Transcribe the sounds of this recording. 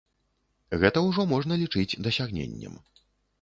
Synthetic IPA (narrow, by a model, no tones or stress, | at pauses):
ɣɛt̪ɐwʐɔmɔʐnɐlʲit͡ʂɨd͡zʲd̪ɐsʲaɣnʲḛnʲːɐ̰m